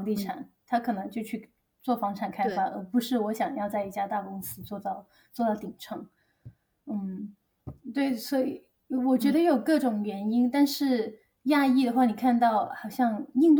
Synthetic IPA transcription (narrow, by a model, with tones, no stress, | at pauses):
ŋt̪i˥˩ʈ͡ʂʰa̰˨˩˦nt̪ʰa˥kʰɤ˨˩nɤ˧˥ŋt͡ɕjo˥˧ʊt͡ɕʰy˥˧ | t͡swɔ˥˩fɑ˧˥ŋʈ͡ʂʰa˨˩nkʰa˥ɪfa˥˩ʔə̰˧˥pu˧˥ʂɻ̩˥˩wɔ˧˥ɕjɑ˨˩ŋjɑ˥˧ʊt͡sa˥˧ɪi˥˩t͡ɕja˥t̪a˥˩kʊ˥ŋsɹ̩˥t͡swɔ˥˧t̪ɑ˥˩ʊ | t͡swɔ˥˧t̪ɑ˥˩ʊt̪i˨˩ŋʈ͡ʂʰɤ˧˥ŋ | n̩˥˩ | t̪we˥˩ɪswɔ˧˥i˨˩ | wɔ˨˩t͡ɕɥɛ˧˥d̪ə˧jo˨˩ʊkɤ˥˩ʈ͡ʂʊ˨˩ŋɥɛ˧˥ni˥nt̪a˥˧nʂɻ̩˥˩ | ja˥˧i˥˩d̪ə˩xwa˥˩ni˨˩kʰa˥˧nt̪ɑ˥˩ʊxɑ˨˩ʊɕjɑ˥˧ŋi˥˧ŋt̪